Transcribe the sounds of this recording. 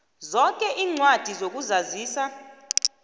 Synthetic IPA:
zɔkʼɛʔiːŋ͡ǀwad̥ʱizok̬ʼuzaziːsa

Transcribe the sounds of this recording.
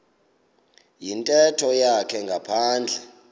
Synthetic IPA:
jintʼɛtʰɔjakʰɛŋɡʱapʰaːnd͡ɮʱɛ

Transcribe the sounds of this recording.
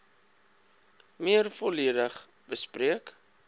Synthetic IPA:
miərfoliədəχ | b̥əspriək

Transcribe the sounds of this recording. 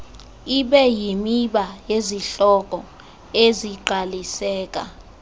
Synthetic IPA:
iɓɛjimiɓajeziɬɔkʼɔ | eziǃalisɛːk̬ʼa̰

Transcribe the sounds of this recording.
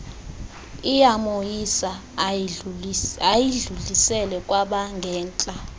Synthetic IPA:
ijamojisa | ajiɮuɮisɛlɛkʼwaɓaŋɡʱɛːnt͡ɬʼa

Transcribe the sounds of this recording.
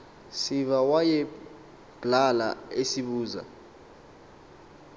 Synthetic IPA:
sivawajɛ | b̥ʱlala̰esiɓuːza̰

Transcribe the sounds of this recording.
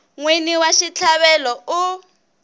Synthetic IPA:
ŋwiniwaʃit͡ɬʰaβɛlɔu

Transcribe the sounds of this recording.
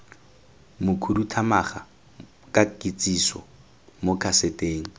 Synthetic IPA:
mʊkʰudutʰamaχa | kʼakʼit͡sʼisɔ̰ | mokʰasetʼeːŋ̩

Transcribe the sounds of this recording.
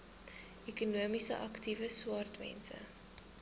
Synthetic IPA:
ikunuəmisə̰ʔɐktivəswɑrtmɛ̰nsə̰

